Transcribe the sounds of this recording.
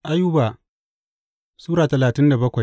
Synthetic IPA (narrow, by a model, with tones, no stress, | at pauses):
ʔa˦ju˦baː˨ | suː˦ɾaː˨tɐ˨laː˨tɪ˦nda˨bɐ˦kʷa˨j